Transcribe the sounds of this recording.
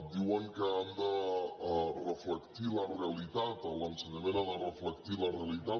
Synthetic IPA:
d̪iwəŋkəand̪ə | rəfləkt̪ilərealit̪at̪ələnsənəmẽnand̪ərəflək̚t̪ilərealit̪a

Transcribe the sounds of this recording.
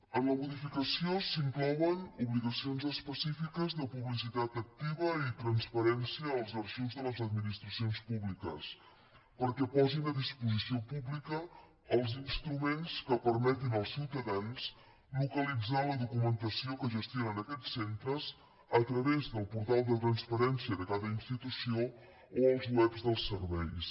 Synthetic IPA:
ənləmuðifikəsiosiŋklɔwənuβliɣəsionzəspəsifikəzðəpuβlis̬it̪at̪ək̚t̪iβəit̪ɾənspəɾɛnsiəːlˠzəɾʒiwzðələzəd̪minist̪ɾəsionspuβlikə̰s | pəɾkɛpɔzinəðispuzisiopublikəː | lˠzinst̪ɾumenskəpəɾmɛt̪inəlˠsiwt̪əðans | lukəlid͡zaləðukumənt̪əsiokəʒəst̪jonənəkɛt͡sːent̪ɾəz | ət̪ɾəβezðəlˠpuɾt̪alˠd̪ət̪ɾənspəɾɛnsiəðəkaðəinst̪it̪usio | oəlˠzwɛbzðəlˠsərβɛjs

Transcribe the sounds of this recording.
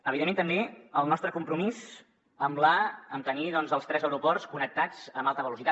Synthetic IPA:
əβiðemːent̪əmbeəlˠnɔst̪ɾəkumpɾumiz | əmlaəmt̪əniðɔnzəlˠst̪ɾɛzəwɾupɔrskunək̚t̪ad͡zəmbalˠt̪əβəlusit̪a

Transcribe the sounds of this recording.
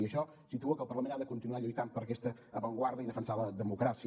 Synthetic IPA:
iəʃɔ | sit̪uəkəlˠpəɾləmẽnaðəkunt̪inuaʎujt̪ampəɾəkɛst̪əːβəŋɡwaɾðəiðəfənsaəðəmukɾasi

